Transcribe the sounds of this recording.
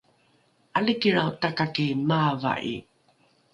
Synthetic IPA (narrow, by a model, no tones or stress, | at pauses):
ʔalikiɾawtakakimava̰ʔḭ